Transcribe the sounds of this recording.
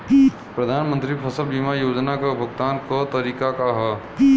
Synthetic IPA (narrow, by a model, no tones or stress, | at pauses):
pɾɐd̪ʱaːnmə̃nt̪ɾipʰɐsəlbimajoːd͡ʒnakabʱɐɡt̪aːnkɐt̪ɐɾiːkakaɦɛ